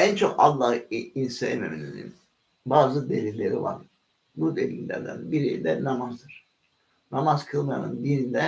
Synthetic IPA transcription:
ænt͡ʃʰo̞kɑ̰lˠːɑhɯinsɛjememinizḭm | baːzɯd̪elʲilʲːe̞ɾiva̰ɾ | bud̪e̞lʲilʲːæ̰ɾd̪æ̰nbiɾejid̪ɛnamazd̪ɯɾ̥ | namazkʰɯlˠmaja̰nɯ̰nd̪inind̪ɛ

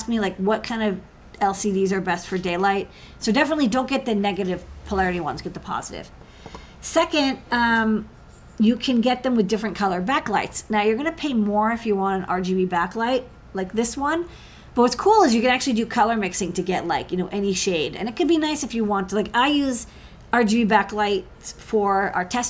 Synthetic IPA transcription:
sk̚milaɪkwʌt̚kʰãɪ̃ndʌv | ɛlˠsidizə˞bɛstfə˞deɪlaɪt̚ | soʊdɛfənətˡlidõʊ̃nɡ̥ɛt̪̚ðɨnɛɡɨɾɨv̥pʰəlɛɹɨɾiwʌ̰̃nzɡɛt̪̚ðəpʰɑ̰zɨɾɪ̰v̥ | sɛkɨ̃nd̚ʌ̃m | jɨkʰɨ̃nɡɛt̪̚ðɨ̃mwɨðdɪfɹɨ̃nkʰʌlˠə˞bæklaɪtsnaʊjə˞ɡʌñɨpʰeɪmɔɹɨfjɨwɑ̃nnɑ̰ɹd͡ʒivibæklaɪt̚ | laɪk̚ðɪswʌ̃n | b̥ʌt̚wʌtskʰulˠɨzjɨkɨ̃ñæk̚t͡ʃʉl̩ˠidɨkʰʌlˠə˞mɪksɪ̃ŋtʰɨɡɛtˡlaɪkjɨñoʊʔɛniʃeɪɾɨ̰̃ñɨt̚kʰɨd̚binaɪsɨfjɨwɑ̃ntʰlaɪkaɪjʉz | ɑɹd͡ʒibibæklaɪt̚fə̰˞ə˞tʰɛs

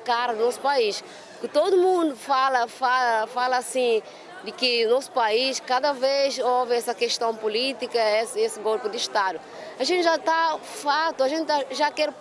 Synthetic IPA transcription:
kaɾɐunɔsu̥paiʃ | kɪt̪od̪umũnd̪ufalɐfalɐfalɐːsĩ | d̪ɪkɨunɔsu̥paiʃkad̪ɐvezovɨɛsɐkeʃt̪ɐ̃w̃pulit̪ikɐɛsesɨɡolpud̪ɨʃt̪ad̪ʊ | ɐʒẽnt̪ʒat̪afat̪uɐʒẽnt̪aʒakɛɾ

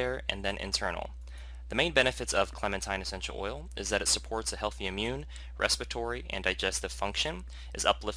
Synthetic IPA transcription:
əɹɨ̰̃nðɨ̃nʔɪ̰̃ntʰɜ̰˞nl̩ˠ | ðəmẽɪ̃nbɛñɨfɨɾsʌv̥kʰl̥amɨ̃ntʰãɪ̃nɨsɛ̃nʃl̩ˠɔ̰ɪlˠʔɨzðɨɾɨtsəpʰɔɹtsɨhɛlˠθiɨ̃mjʉ̃n | ɹʔɛ̰spɨtʰɔɹiʔɨ̰̃ndaɪd͡ʒɛstɨv̥fʌ̃ŋkʃɨ̃n | ʔɨzʌ̰plɪf

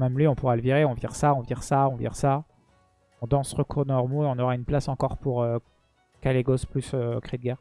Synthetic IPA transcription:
mɛmlɥiɔ̃puʁaləviʁeɔ̃vjiʁsaɔ̃vjiʁsaɔ̃vḭʁsa | ɔ̃d̪ɑ̃sʁəkuʁd̪ɑ̃lœʁmoeɔ̃nɔʁaynplasɑ̃kɔʁpuʁø | kaleɡosplysøkχed̪ɡɛʁ

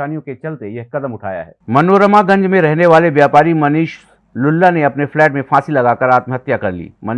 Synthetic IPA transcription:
aːnijõket͡ʃɐlt̪ejɐɦkɐd̪əmʊʈʰa̰ːja̰ɦɛ̰ːmɐnoɾəmaɡɐ̃ɲd͡ʒmẽɾɛɦneʋaːleʋjaːpaːɾimɐniːʃ | lʊlːaneɐpneflɛːʈmẽfaːsilɐɡaːkəɾaːt̪mɦɐt̪jakɐɾlḭːmɐn

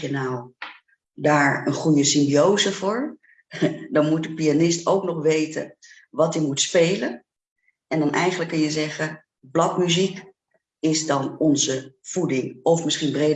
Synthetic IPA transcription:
jənaw | daːɹənχujəsɪmbiowzəvʊːɹ | dɑnmut̚dəpianɪstowknɔχʋejtə̰n | ʋɑtəmutspejlən | ɛndɑnʔɛjχənləkːənjəzɛχə | blɑkmyzik | ɪzdɑnɔnzəv̥udɪŋɔfmɪsχinbrejd

